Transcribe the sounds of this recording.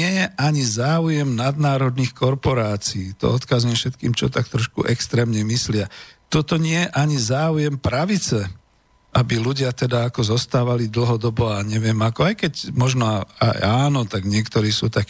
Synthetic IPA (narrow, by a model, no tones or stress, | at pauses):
ɪɛjɛʔaɲizaːujɛmnad̪naːɾɔd̪niːxkɔɾpɔɾaːt͡siːt̪ɔ̰ɔt̪kazɲɛfʃɛt̪kḭːmt͡ʃɔt̪ak̚t̪ɾɔʃkṵʔɛkst̪ɾɛːmɲɛmislɪat̪ɔt̪ɔɲɪɛjɛʔaɲizaːujɛmpɾaʋit͡sɛ | abiluɟɪat̪ɛd̪aːkɔzɔst̪aːʋalid̪l̩ɦɔd̪ɔbɔaɲɛʋɪɛmakɔajkɛcmɔʒnɔa̰jaːnɔt̪aɡɲɪɛkt̪ɔɾiːsṵːt̪akː